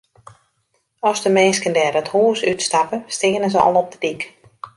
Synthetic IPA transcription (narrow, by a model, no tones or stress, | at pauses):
ɔsdəmɛːnskəndɛːɾəthuːsytstapəstɪːnəzəɔ̰lˠɔp̚dədik